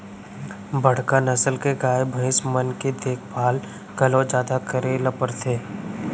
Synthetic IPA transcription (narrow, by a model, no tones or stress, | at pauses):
bʱəɽ̤kanɐsəlkeɡaːjebʱə̃ɪsmənked̪eːkʰbʱaːl | kɐlõd͡ʒaːd̪akəɾelɐpəɾt̪ʰeː